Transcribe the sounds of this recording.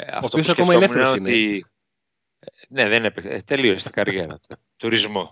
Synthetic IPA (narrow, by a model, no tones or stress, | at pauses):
ɐ̰ot̪oiosɐkomɐolemuneont̪i | neðenepekt̪e̞liost̪i̥ɡɐɾʝe̞ɾɐ̰t̪ | t̪uɾizmo̞